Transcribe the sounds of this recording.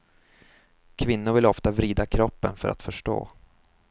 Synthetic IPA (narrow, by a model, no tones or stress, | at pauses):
kʰvɪnːʊɾvɪlɔft̪avɾiːd̪akʰɾɔpːənfœɾa̰t̪fœʂʈo̰ː